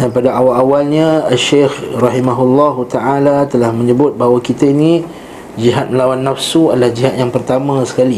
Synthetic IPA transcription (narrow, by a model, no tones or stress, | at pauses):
danpadaawalawalɲãːʃexrɑɦimaɦulːɔɦut̪aʕalat̪əlahmə̃ɲəbʊt̪̚baɦwakit̪aini | d͡ʒiɦat̪̚məlawanːafsuadalahd͡ʒiɦat̪̚jaŋpərt̪amãsə̥kali